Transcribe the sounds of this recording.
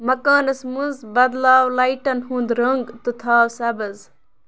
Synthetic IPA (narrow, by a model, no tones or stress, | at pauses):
mɐkaːnɐsmunzbɐd̪laːwlajʈɐnɦũnd̪ɾəŋɡt̪ɨt̪ʰaːwsɐbɐz